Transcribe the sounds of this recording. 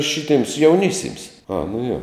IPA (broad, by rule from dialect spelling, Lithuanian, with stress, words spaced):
ˈʃʲɪtʲeːms jɛʊˈnʲɪsʲeːms ɐ nʊ joː